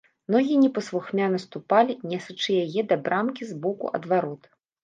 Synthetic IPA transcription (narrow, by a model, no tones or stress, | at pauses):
nɔɣʲinʲɛpɐsvuxmʲanɐst̪upalʲinʲɛsɐt͡ʂɨjajɛd̪abɾʔamkʲizbɔkṵʔɐ̰d̪vaɾɔt̪